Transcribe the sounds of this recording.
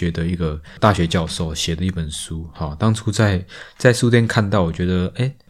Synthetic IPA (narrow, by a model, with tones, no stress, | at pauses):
ɛ˧˥d̪ə˨i˧˥ɡə˨t̪a˥˨˩ɕɥɛ˨˧˥t͡ɕjɑ˥˧ʊʂo˥˨ʊɕjɛ˨˩d̪ə˦i˥˩pə˨˩nsu˦hɔ˨t̪ɑ˥ŋʈ͡ʂʰu˦˥t͡sa˥˧ɪt͡sa˥˧ɪsu˥t̪jɛ˥˧nkʰa˥˧nt̪ɑ˥˩ʊwɔ˨˩t͡ɕɥɛ˧˥d̪ə˧e˥˩ɪ